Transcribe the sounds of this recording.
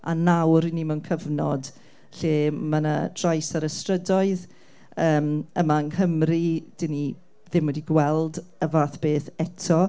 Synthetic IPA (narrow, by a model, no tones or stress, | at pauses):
a̰nawɾinimɪwnkʰəvnɔd | ɬeːmanə̰d̥rajsaɾəstrədɔɨð | əːməmaənkʰəmrid̥ɪni | ðɪmwɛdiɡwɛlˠdəvaːθb̥eːθɛtʰɔ